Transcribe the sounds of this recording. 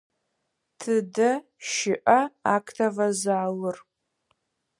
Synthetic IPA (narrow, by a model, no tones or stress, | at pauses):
tʰɨdɐ | ʃɪʔɐaːkʰʼtʰɐvɐzaːwɨr